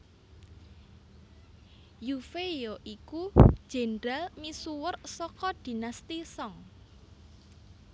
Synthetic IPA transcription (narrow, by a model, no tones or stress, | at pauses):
jufejoʔiku̥ʒ̥e̤ndɾalmisuwərsɔkɔd̪̥i̤nast̪isɔŋ